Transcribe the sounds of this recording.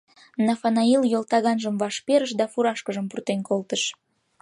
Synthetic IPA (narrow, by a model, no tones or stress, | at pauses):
nɑfɑnɑiljolt̪ɑɣɑnʒəmvɑʃpeɾəʃd̪ɑfuɾɑʃkəʒəmpurt̪enkolt̪əʃ